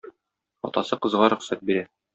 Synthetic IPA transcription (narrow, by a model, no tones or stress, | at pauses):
ɒ̰t̪ɑsɤqɤ̆zʁɑɾɵ̆χsæt̪̚biɾæ